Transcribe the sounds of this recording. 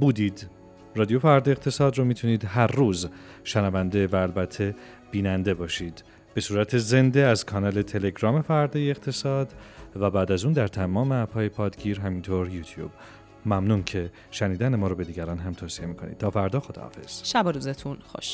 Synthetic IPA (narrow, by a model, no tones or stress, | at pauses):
buːd̪iːd̪ | rɒːd̪ijofæɾd̪ɒeqt̪ʰe̞sɒːd̪romit̪ʰuniːd̪ɦæɾːuːzʃænævænd̪evæːlbæt̪ʰːe̞ | b̥iːnænd̪e̞bɒːʃiːd̪̥ | be̞suːɾæt̪ʰe̞ze̞nd̪e̞æzkʰɒːnɒːle̞t̪ʰele̞ɡɾɒːme̞fæɾd̪ɒːjeeqt̪ʰe̞sɒːd̪væbæːd̪æzuːnd̪æɾt̪ʰæmɒːmeæpʰɒːjepʰɒːd̪ɟiːɾɦæmiːnt̪ʰoːɾjuːt̪ʰjṵːb̥ | mæmnuːncʰe̞ | ʃæniːd̪ænemɒːɾɔbe̞d̪iːɟæɾɒːnɦæmt̪ʰoːsie̞miːkʰo̞nʔḭd̪̥̚t̪ʰɒːfæɾd̪ɒːxod̪ɒ̰hɒ̰ːfe̞̰z̥ʃæbɔɾuːzet̪ʰunxoʃ